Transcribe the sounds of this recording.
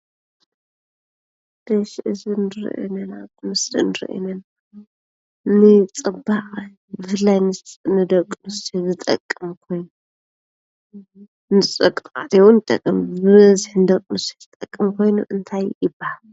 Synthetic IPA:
d̪̥ɐʃʔɨzinɨɾḭʔḛnɐnamɨsɾḭnɨɾḭʔḛnɐna | nɨt͡sʼɨbaʔʼ | bɨfɨlːajnɨsʼnɨd̪ɐkʼnɨsizɨt̪ʼɐ̰kʼːɨmkʰo̞jn | nɨt͡sʼɐkʼt̪ʼa̰t̪ʰiwunɨt̪ʼɐ̰kʼːɨmbɨβɐzɨħnɨd̪ɐkʼmɨsizɨt̪ʼɐkʼːɨmkʰo̞jnṵʔɨnt̪ʰajːɪbahal

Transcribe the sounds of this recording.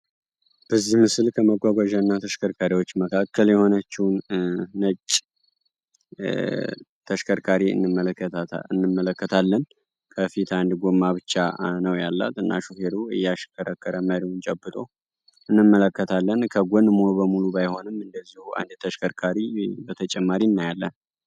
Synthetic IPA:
b̥əzːihmɨsɨlkʰəməɡʷaɡʷaʒanːat̪ʰəʃkʰəɾkʰaɾiwo̞t͡ʃːməkʰakːəljɛho̞nət͡ʃːɪwnːət͡ʃʼ | t̪ʰəʃkʰəɾkʰaɾiɨ̰nːɨmːələkːət̪aɨnːɨmːələkːət̪ʰalːən | kʰəfit̪and̪ɡomːaβɨt͡ʃːanəwjalːa̰t̪ɨnːʔa̰ʃofeɾuɨ̰jːaʃkʰəɾəkːəɾəməɾiwunt͡ʃʼəbːɨt̪ʼo̞ | ɨnːɨmːələkːət̪ʰalːənkʰəɡʷɔnmo̞bəmuluβajho̞nɨmɨnd̪əzːihuʔa̰nd̪t̪ʰəʃkʰəɾkʰaɾibət̪ʰət͡ʃʼɛmːaɾinːajalːən

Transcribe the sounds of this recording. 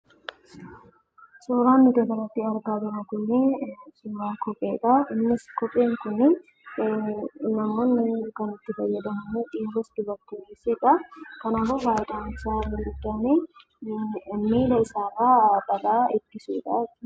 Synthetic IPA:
suːɾaːnːɪd̪ɔb̪ɐlɐt̪ːɪɐɾɡaːd͡ʒɛɾɐkʊnːɪsuːɾaːkɔpʼːeːᶑ̪ɐɪnːɪskɔpʼːeːŋkʊnɪ | nɐmːo̞ːnːɪkɐnɪt̪ːɪfɐjːɐd̪ɐmɐnːᶑiːɾʊsd̪ʊbɐɾt̪ːuniːsɪᶑɐkɐnaːfʊhaːɪᶑ̪aːnsaːɾɪnd̪ʊd̪ːɐneː | miːlɐɪsaːrːaːbɐlaːɪɡɪsuːᶑɐ

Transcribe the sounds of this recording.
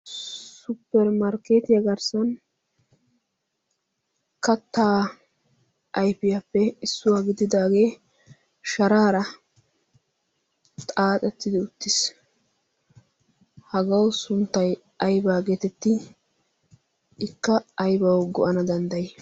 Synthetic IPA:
sʊpːɛɾmɐɾkeːt̪ɪjɐɡɐɾsɐn | kɐt̪ːaː | ʔɐjpɪjapːɛɪsːʊwaːɡɪd̪ɪd̪aːɡe̞ː | ʃɐɾaːɾɐ | t̪ʼaːt̪ʼɛt̪ːɪd̪ɪʊt̪ːɪs | hɐɡɐwsʊnt̪ːɐj | ɐjbaːɡeːt̪ɛt̪ːɪ | ɪkːɐːjbɐwɡɔʔɐnɐd̪ɐnd̪ɐjɛ

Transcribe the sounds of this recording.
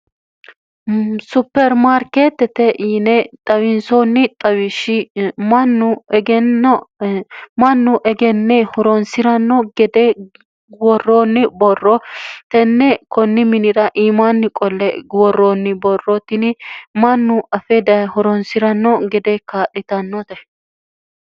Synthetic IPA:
sʊpːɛɾmaːɾket̪ːɛt̪ɛʔnɛt̪ʼɐwɪnsonːɪt̪ʼɐwɪʃɪmɐnːʊɡɛ | mɐnːʊʔɛɡɛnːɛhɔɾɔnsɪɾɐnːɔɡɛd̪ɛ | wɔrːoːnːɪbɔrːɔt̪ɛnːɛkɔnːɪmɪnɪɾɐʔiːmanːɪkʼɔlːɛɡwɔrːoːnːɪbɔrːɔt̪ɪnɪmɐnːʊɐfɛd̪ɐhɔɾɔnsɪɾɐnːɔɡɛd̪ɛkaːɗɪt̪ɐnːɔt̪ɛ

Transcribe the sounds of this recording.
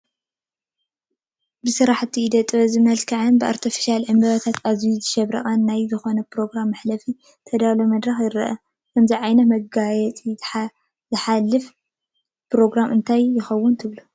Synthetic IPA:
bɨsɨɾaħt̪ʰːiːd̪ɐt̪ʼɨβɐzɨmɐlkʰɐʕɨnbɨʔa̰ɾt̪ʰifi̥ʃalʕɨmbɐβɐt̪ʰat̪ʰazijuzɨʃɐβɾɐ̰χʼanːajzɨxo̞nɐpɾo̞ɡɾamːaħlɐfi | t̪ʰɐd̪alomɐd̪ɾɐxjɪɾɐ̰ʔɐ̰ | kʰɐmziʕajnɐt̪mɐɡajɛt̪ʼi | zɨħalːɨf | pɾo̞ɡɾamʔɨnt̪ʰajːɪxɐwːʊnt̪ʰɨβlu

